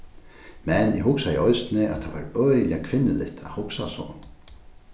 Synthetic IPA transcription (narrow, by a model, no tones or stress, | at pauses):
mɛnjɪɦʊksajɛɔjst̪nɪʔa̰t̪ʰavaɾœakʰvɪnːɪlɪ̰ht̪ʰahʊksasɔ̰